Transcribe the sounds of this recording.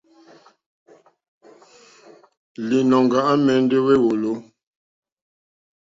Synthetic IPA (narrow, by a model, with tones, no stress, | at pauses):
li˨nɔ˨ŋ˨ɡa˨ʔa˦mɛ˨˦n˦de˦we˦wo˨lo˦